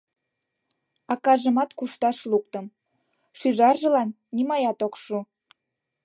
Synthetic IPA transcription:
ɑkɑʒəmɑt̪kuʃt̪ɑʃluk̚t̪əm | ʃyʒɑrʒə̆lɑnːimɑjɑt̪okʃu

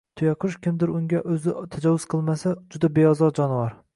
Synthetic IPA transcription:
t̪ʰʊjɑqʰʊʃkʲɪmd̪ɪɾʊŋɡʲaʔɵzɪt̪ʰad͡ʒɒwːʊz̥qʰɨlˠmasad͡ʒʊd̪abe̞ɒzɒɾd͡ʒɒnvɒɾ

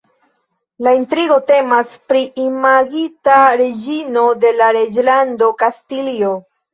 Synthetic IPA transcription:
laintɾiɡo̞te̞maspɾiʔimaɡitaɾe̞d͡ʒino̞de̞laɾe̞d͡ʒlando̞kastilio

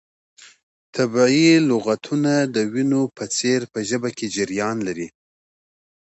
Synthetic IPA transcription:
t̪ʰabɑilʊɣat̪ʰunad̪əwinopət͡seɾpəʒəbakʰed͡ʒɪɾjɑnlaɾi

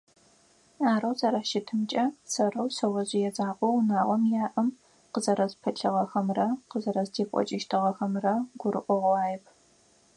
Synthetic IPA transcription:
aːɾɐwzɐɾaʃɪtʰɨmt͡ʃʼɐsɐrɐwsɐwɐʑijɛzʼaːqʷɔwnaːʁʷɔmjaːʔɨm | qəzɐɾɐzpʰɐɬʰɨʁɐxɐmrɐqəzɐɾɐzdʰeːkʷʼɔ̰t͡ʃʼɪʃtʰɨʁɐxɐmrɐɡʷʊrɨʔʷɔʁʷaːjɛpʰ

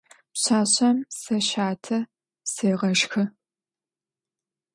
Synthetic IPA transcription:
pɕaːɕɐmsɐɕaːtʰɐ | seːʁɐʃxɨ

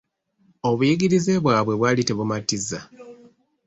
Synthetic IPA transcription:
o̞βujiɡiɾizeβwaːβwe̞βwaːlite̞βumatizːa

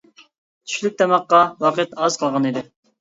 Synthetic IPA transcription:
t̪ʰy̥ʃlyk̚ʲt̪ʰɛmɑqːɑwɑqət̪ɑzqʰəlˠʁɑnid̪ɪ

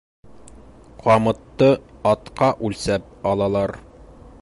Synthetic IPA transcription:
qʰɑmɤ̆t̪ːɤɒt̪qɑʔʉlsæp̚ɒlˠɑlˠɑɾ

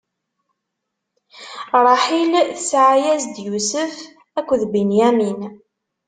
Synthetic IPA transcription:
ɾˤɑħilθsʕajæzd̪jusəf | ækʷːðbinjæmin

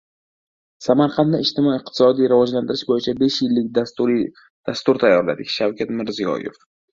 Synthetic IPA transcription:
samaɾqʰɑnaɪʃt̪ɪmɒjɪq̚t̪ʰɪ̥sɒd̪ijɾavɒd͡ʒland̪ɪɾɪʃbojɪt͡ʃʰabe̞ʃjɪlːɪk̚ʲ | d̪̥ast̪ʊɾt̪ʰajːɒɾla̰d̪ɪkʲʃawkʰʲat̪mɪɾzijɒ̰jḛf

